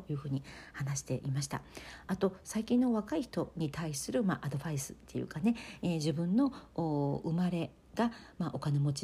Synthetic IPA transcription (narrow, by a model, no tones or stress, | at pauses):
ojɯ̟ːɸɯ̟ːɲ̟ihanaɕi̥t̪e̞ʔimaɕi̥t̪a̰at̪o̞saikʲĩnːo̞βakaiçi̥t̪o̞ɲ̟it̪aisɨɾɯ̟maʔad̪o̞baisɨ̥t̪ːe̞jɯ̟̰kane̞eʑibɯ̟̃nːo̞oːɯ̟maɾe̞ | ɡ̥amaʔokane̞mo̞t͡ɕi